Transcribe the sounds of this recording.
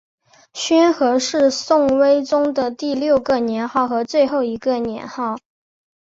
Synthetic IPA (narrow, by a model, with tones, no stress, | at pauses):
ɕɥɛ˥nxɤ˧˥ʂɻ̩˥˧sʊ˥˩ŋwe˥ɪʈ͡ʂʊ˥ŋd̪ə˨t̪i˥˧ljo˥˩ʊɡə˨njɛ˧˥nxɑ˥˩ʊxɤ˧˥t͡swe˥˧ɪxo˥˩ʊi˧˥ɡə˧njɛ̰˧˥nxɑ˥˩ʊ